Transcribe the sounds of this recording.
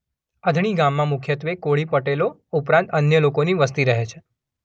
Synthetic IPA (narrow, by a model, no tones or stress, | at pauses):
əd̪ʱɳ̃iɡãmːãmukʰjət̪ʋekoɭipəʈeloupɾãnt̪ənjəlokoniʋəst̪iɾəɦet͡ʃʰe̥